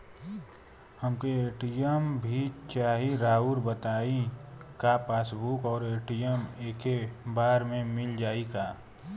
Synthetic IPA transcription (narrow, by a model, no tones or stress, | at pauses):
həmkoeːʈijəmbʱit͡ʃaːɦiɾaːuɾbət̪aːikapaːsbuːkɔːɾeːʈijəmeːkebaːɾmẽmɪld͡ʒaːikaː